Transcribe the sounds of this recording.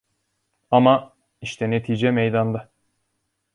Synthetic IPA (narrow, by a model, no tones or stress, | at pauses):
ama | iʃt̪ʰɛnet̪ʰiːd͡ʒɛmɛjd̪and̪a